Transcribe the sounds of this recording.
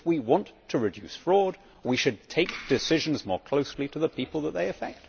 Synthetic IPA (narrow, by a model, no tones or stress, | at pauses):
wiwɑ̃ntʰɨɹɨdʉ̰sfɹɔd̚ | wiʃɨd̚tʰeɪk̚d̥ɨsɪʒɨ̃n̩zmɔ̰ɹkʰl̥oʊsliɾɨðəpʰipl̩ˠðət̪̚ðeɪɨfɛk̚t̚